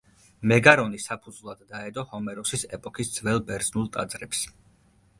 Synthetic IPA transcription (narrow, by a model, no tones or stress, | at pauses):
mɛɡaɾɔnisapʰud̪zvlˠad̪ːaɛd̪ɔhɔmɛɾɔsisɛpʼɔkʰisd̪z̥vɛlˠbɛɾznulˠt̪ʼa̰d̪zɾɛps